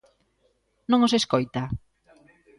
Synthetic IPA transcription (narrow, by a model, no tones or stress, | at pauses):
nõŋoseskojt̪a